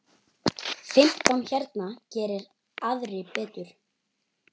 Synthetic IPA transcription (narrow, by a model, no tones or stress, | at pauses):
fɪm̥t̪ançɛɾt̪nacɛːɾɪɾ | aðɾɪpɛːt̪ʏɾ̥